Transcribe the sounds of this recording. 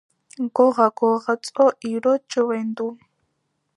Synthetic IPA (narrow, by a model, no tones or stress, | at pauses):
ɡɔʁaɡɔʁat͡sʼɔʔiɾɔt͡ʃʼɔwɛnd̪u